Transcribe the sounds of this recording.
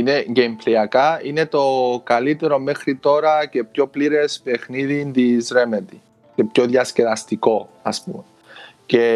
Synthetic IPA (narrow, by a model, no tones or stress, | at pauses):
ine̞ɟempliɐkɐine̞t̪o̞kɐlit̪e̞ɾo̞mexɾit̪o̞ɾɐce̞pço̞pliɾe̞spe̞xniðind̪izɾe̞met̪i | ce̞pçoðjɐsce̞vɐst̪iko̞ɐspume | ce̞